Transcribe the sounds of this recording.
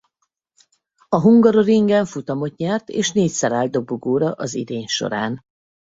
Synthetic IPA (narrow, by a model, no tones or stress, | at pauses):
ɒɦuŋɡɒɾoɾiŋɡɛɱfut̪ɒmo̞t̪ɲɛrt̪ḛːʃneːcsɛɾaːld̪̚d̪o̞buɡoːɾɒʔɒzḭd̪eːɲʃo̰ɾaːn